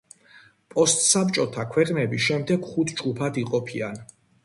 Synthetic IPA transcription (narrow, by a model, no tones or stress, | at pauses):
pʼɔst̪ʼsap̚ʼt͡ʃʼɔt̪ʰakʰwɛqʼnɛbisʃɛmd̪ɛɡ̥χut̪ʰd͡ʒɡupʰad̪iqʼɔpʰian